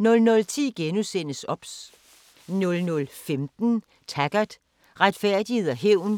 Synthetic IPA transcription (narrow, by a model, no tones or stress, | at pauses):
nɔ̽lnɔ̽lt͡sʰḭːɡ̥enusen̰əsɒ̽b̥s | nɔ̽lnɔ̽lfemd̥n̩ | t͡sʰæɡ̥ɐd̥ | ʁad̥fæɐ̰d̥ihe̝ð̰ˠæɦeʊ̰n